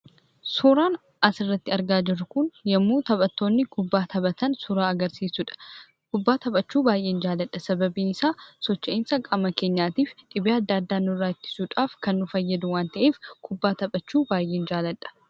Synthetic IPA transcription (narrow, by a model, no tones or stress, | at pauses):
sʊːɾaːn | ɐsɪrːɐt̪ːɪɐɾɡaːd͡ʒɪrːʊkʊnjɐmːuːt̪ɐbʼɐt̪ːo̞ːnːɪkʊbːaːt̪ʰɐbɐt̪ɐnsʊɾaːɐɡɐɾsiːsʊᶑɐ̥ | kʊbːaːt̪ɐbʼɐt͡ʃːuːbaːjʔe̞ːnd͡ʒaːlɐᶑːɐsɐbɐbiːnɪsaːsɔt͡ʃːɐʔɪnsɐkʼamːɐke̞ːɲːaːt̪iːfᶑɪbeːɐd̪ːaːɐd̪ːaːnːʊrːaːɪt̪ːɪ̥suːᶑaːfkɐnːʊfɐjːɐd̪ʊwaːnt̪ɐʔe̞ːfkʰʊbːaːt̪ɐbʼɐt͡ʃːuːbaːjʔe̞ːnd͡ʒaːlɐᶑɐ̥